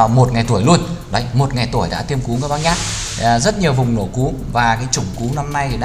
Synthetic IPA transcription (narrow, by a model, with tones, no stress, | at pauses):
a˨˩wmo˨˩t̚ŋa˨˩jt̪u˧˩əjlu˧ənɗə˨˦jmo˨˩t̚ŋa˨˩jt̪u˧˩əjɗa̰ː˧˥t̪ʰi˧əmku˨˦kaː˧˦ɓaː˦˥k̚ɲaː˦˥t̚ː | zə˦˥t̚ɲi˨˩əwvʊ˨˩ŋ͡mno̰˧˩ku˨˦ | vaː˨˩kaː˨˦jt͡ɕʊ˧˩ŋ͡mku˨˦na˧mna˧ji˨˩ɗ